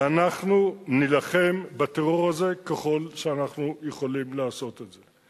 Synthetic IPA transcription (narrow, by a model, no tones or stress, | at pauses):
anaχnunilaχe̞mbat̪eʁo̞ʁaze̞keχo̞lʃeanaχnujeχo̞limleaso̞t̪etze̞